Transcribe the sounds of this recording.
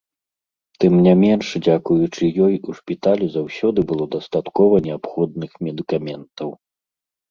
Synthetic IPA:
t̪ɨmnʲamʲɛnʂd͡zʲakujut͡ʂɨjɔjuʂpʲit̪alʲuzawsʲɔd̪ɨbɨlˠɔd̪ast̪at̪kɔvɐnʲɛapxɔd̪nɨxmʲɛd̪ɨkamʲɛnt̪ɐw

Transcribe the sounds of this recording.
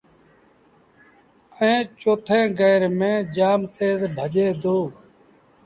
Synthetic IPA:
əẽːt͡ʃoːt̪ʰẽːɡəːɾmẽːd͡ʒaːmt̪eːzbʱəd͡ʒeːd̪oː

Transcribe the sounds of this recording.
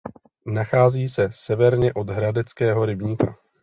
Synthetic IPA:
naxaːziːsɛsɛvɛɾɲɛʔo̞dɦɾadɛt͡skɛːɦo̞ɾɪbɲika̰

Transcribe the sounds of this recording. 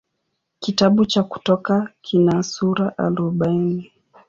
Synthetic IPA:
kitaɓut͡ʃaku̥tɔkakʰinasuɾaʔaɾuɓaini

